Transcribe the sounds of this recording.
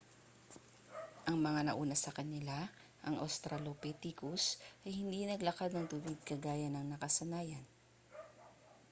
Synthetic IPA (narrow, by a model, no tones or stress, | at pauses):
ʔɐŋmɐŋanɐʔuːnɐsɐkɐnɪla | ʔɐŋʔost̪ɾɐlopɛt̪ikʊsʔɐjhɪnd̪inɐɡlɐkad̪̚nɐŋt̪ubid̪̚kɐɡaːjɐnɐŋnɐkɐsɐnaːjɐn